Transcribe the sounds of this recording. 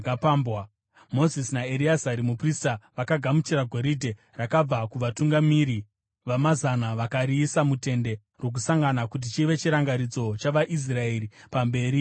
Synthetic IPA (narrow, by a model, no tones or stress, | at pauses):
apambwa | mo̞zisnaeɾiazaɾimupristaʋakaɡʱamut͡ʃiɾaɡʱo̞ɾidʱe | rakab͡vakuʋatuŋɡamiːɾi | ʋamazanaʋakaɾiːsamute̞nde̞ | rwo̞k̬usaŋɡanakut̬it͡ʃiʋe̞t͡ʃiɾaŋɡaɾid͡zo̞t͡ʃaʋaʔis̬rae̞ɾipambe̞ːɾi